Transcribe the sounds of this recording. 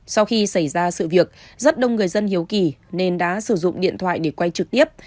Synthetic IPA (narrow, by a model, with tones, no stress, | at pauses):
sa˧wxi˧sa˧˩jzaː˧sɨ̰˧˨vi˨˩ək̚zə˦˥t̚ɗə˧wŋ͡mŋɨ˨˩əjzə˧nhi˨˦əwki˨˩ne˧nɗa̰ː˧˥sɨ˧˩zʊ̰˧˨ŋ͡mɗḭ˧˨ənt̪ʰwa̰ː˧˨jɗe˧˩kwa˧jt͡ɕɨ˨˩k̚t̪i˦˥əp̚